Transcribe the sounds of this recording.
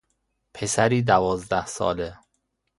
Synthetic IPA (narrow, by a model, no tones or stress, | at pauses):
pʰe̞sæɾiːd̪ævɒːzd̪æhsɒ̰ːle